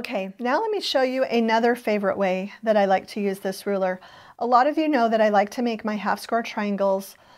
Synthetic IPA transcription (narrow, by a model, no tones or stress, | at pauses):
oʊkʰeɪnaʊlɛt̚miʃoʊjɨʔɨnʌðə˞feɪvə˞ɨ̰ʔweɪðɨɾaɪlaɪk̚tʰɨjʉzðɪsɹʉlˠə˞ | ʔəlɔɾʌvjɨnoʊðɨɾaɪlaɪk̚tʰɨmeɪkmaɪɦæfskɛɹtʰɹ̥aɪɨ̃ŋɡl̩ˠz̥